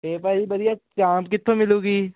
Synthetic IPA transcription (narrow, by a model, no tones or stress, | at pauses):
eːpaːibɐɾijat͡ʃaːmbkɪt̪ʰːõmɪluːɡiː